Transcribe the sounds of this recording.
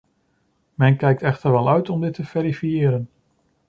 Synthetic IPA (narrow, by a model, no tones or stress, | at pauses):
mɛnkɛjk̚tɛχtəɹʋɛlˠœɥtɔmdɪtːəv̥eɾifijɪːɾən